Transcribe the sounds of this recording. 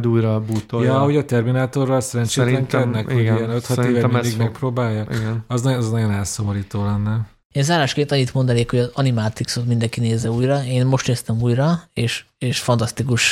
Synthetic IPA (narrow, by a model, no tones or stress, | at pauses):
d̪uːjɾɒbuːt̪ojɒɒɦo̞ɟɒt̪ɛrminaːt̪o̞rːɒlsɛɾɛnt͡ʃeːt̪lɛŋkɛd̪nɛkhoɟijɛnøt̪hɒeːvɛmid̪iɡmɛk̚proːbaːjːɒiɡɒznɒɛznɒɟo̞nɛlsomoɾiːt̪oːlɛnːɛ | eːnzaːɾaːʃkeːnt̪ɒɲːit̪mo̞nd̪ɒneːkho̞ɟɒzɒnimaːt̪iksot̪mind̪ɛŋkineːzːɛuːjrɒeːnmo̞ʃt̪neːst̪ɛmuːjrɒeːʃeːʃfɒnt̪ɒst̪ikuʃ